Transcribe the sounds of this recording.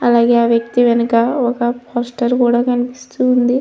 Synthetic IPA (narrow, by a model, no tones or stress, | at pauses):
ɐlaːɡe̞ːaːʋjɐk̚t̪iʋɛnɐkɐɔkɐpʰoːsʈɐɾkuːɽaːkɐnipi̥st̪uːnd̪i